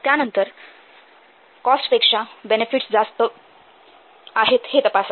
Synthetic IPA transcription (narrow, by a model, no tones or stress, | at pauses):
t̪janənt̪əɾ | kɔsʈpekʂabenefiʈsd͡zast̪ə | aɦet̪het̪əpas